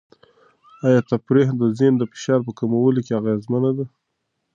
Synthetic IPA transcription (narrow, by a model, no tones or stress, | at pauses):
ɑjɑt̪apɾeɦd̪əzend̪əfɪ̥ʃɑɾpəkamawəlokeaɣazmanad̪a